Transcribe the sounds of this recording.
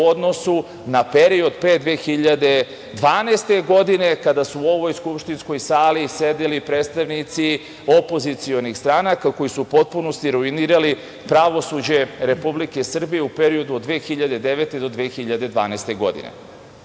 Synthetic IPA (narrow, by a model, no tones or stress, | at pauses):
od̪no̞su | nape̞ɾio̞d̪peːd̪ʋeːxiʎad̪e̞ | d̪ʋaːnest̪e̞ɡo̞d̪ine̞kad̪asuːo̞ʋo̞jskupʃt̪insko̞jsaːlise̞d̪ilipɾet̪st̪aʋnit̪si | o̞po̞zit̪sio̞nixst̪ɾaːnakako̞jisupo̞t̪̚puno̞st̪iɾuiniːɾali | pɾaʋo̞sud͡ʑe̞ɾe̞publike̞sr̩bije̞upe̞ɾio̞d̪uod̪d̪ʋeːxiʎad̪e̞d̪e̞ʋet̪e̞d̪o̞d̪ʋeːxiʎad̪e̞d̪ʋa̰ːneːst̪e̞ɡo̞̰d̪ḭnḛ